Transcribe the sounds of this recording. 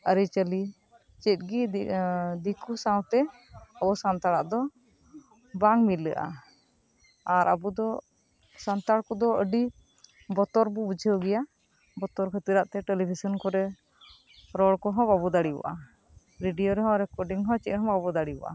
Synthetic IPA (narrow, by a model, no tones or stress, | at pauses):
əɾit͡ʃəli | t͡ʃit̪̚ɡi | d̪ikusawt̪ɛ | əbɔsant̪aɽaʔd̪ɔ | baŋmilːə̰ʔa̰ | aɾʔəbud̪ɔ | sant̪aɽkɔd̪ɔəɖi | bɔt̪ɔɾbubud͡ʒʱəɡɛja | bɔt̪ɔɾkʰət̪iɾaʔt̪ɛʈɛlibʱisɔnkɔɾɛ | ɾɔɽkɔɦɔ̃babɔd̪aɽiɔ̰ʔa | ɾiɖijɔɾɛɦɔ̃ɾɛkɔɖiŋɦɔ̃t͡ʃit̪̚ɦɔ̃babɔd̪aɽiɔ̰ʔa̰